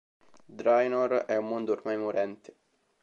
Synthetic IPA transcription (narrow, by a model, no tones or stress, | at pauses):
d̪ɾajnoɾɛumːond̪oːrmajmoɾɛnt̪ɪ̥